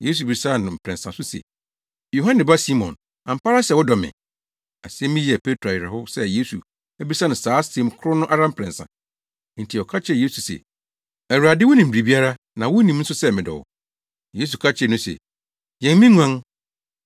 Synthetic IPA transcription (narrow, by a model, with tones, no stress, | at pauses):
je˦s̬u˨bi˨˦sa˦˨nʊ̃˨m̩˨pʰɾɛ̃˨nsã˨sʊ˦sḛ˨ | jo˨ɦã˦nɪ̃˨ba˦si˦mɔ̰̃˨n | ã˨m̩˨pʰa˦ɾa˦sɛ˨wʊ˦dɔ˨mɪ̰̃˨ | a̰˨sɪ˦ɛ˦mĩ˦jɛ˨pʰe˦tʰɾa˨ɪ˨ɾɛ˨hʊ˦sɛ˦je˦su˨ | ɛ˦bi˦sã˦nʊ̃˨saː˨˦se˨m˦kʰʊ˦ɾʊ˦nʊ̃˦ʔa˦ɾa˦m̩˦pʰɾɛ̃˨nsã̰˨˦ | n̩˨tʰi˨ɔ˨kʰa˦t͡ɕʰɛ˨je˦su˨sḛ˨ | ɛ˨ɾu˨a˨dɪ˦wʊ˦nɪ̃˨m̩˨bi˨ɾi˨bi˦a˦ɾa˦ | nã˨wʊ˦nĩ˨mn̩˦sʊ˦sɛ˦˨mɪ̃˨dɔ̰˨wʊ̰˨ | je˦s̬u˨kʰa˦t͡ɕʰɪ˨˦ɛ˨nʊ̃˦sɛ̰˨ | jɛ̃˨n˦mĩ˦ŋʷ˦ã˦ŋ